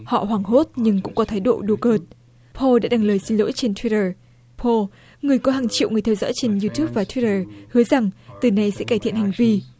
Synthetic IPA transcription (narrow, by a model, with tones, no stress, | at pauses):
hɔ̰˧˨ɦwaː˨˩ŋɦo˦˥t̚ɲɨ˧ŋkʊ̰˧˥ŋ͡mkɔ˨˦t̪ʰaː˨˦jɗo̰˧˨ɗo˧˩kəː˨˩t̚ | pʰo˧ɗa̰ː˧˥ɗa˧˩ŋləː˨˩jsi˧nlo̰˧˥jt͡ɕe˧nt̪ʰwi˦˥təː˨˩ | pʰo˧ | ŋɨ˨˩əjkɔ˨˦ɦaː˨˩ŋt͡ɕḭ˧˨wŋɨ˨˩əjt̪ʰɛ˧wzɔ̰ː˧˥jt͡ɕe˧nju˧t̪u˦˥p̚vaː˨˩t̪ʰwi˦˥təː˨˩hɨ˨˦əza˨˩ŋt̪ɨ˨˩na˧jsɛ̰˧˥kaː˧˩t̪ʰḭ˧˨ənha˨˩jŋ̟vi˧